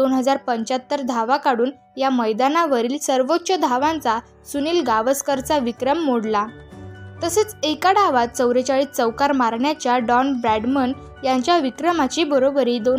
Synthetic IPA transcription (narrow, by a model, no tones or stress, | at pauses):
d̪onɦəd͡zaɾpəɲt͡ɕat̪ːəɾd̪ʱaʋakaɽuːn | jaməjd̪anaʋəɾiːlsəɾʋot̪ːɕəd̪ʱaʋãnt͡sa | suniːlɡaʋəskəɾt͡saʋikɾəmːoɽla | t̪əset͡sekaɽaʋat̪̚t͡səwɾet͡ɕaɭiːt͡səwkaɾmaɾɳjat͡ɕjaɖɔnbɾæɖmən | jaɲt͡ɕjaʋikɾəmat͡ɕiːbəɾobɾiːd̪o